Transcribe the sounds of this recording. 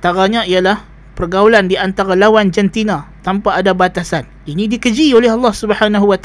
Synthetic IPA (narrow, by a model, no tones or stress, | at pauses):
nt̪aɾaɲãijalah | pərɡaulandiant̪aɾalawand͡ʒɛnt̪inãt̪ampaːdabat̪asan | inidikəd͡ʒiolɛɦɑlːɑhsubəhanaɦuwat̪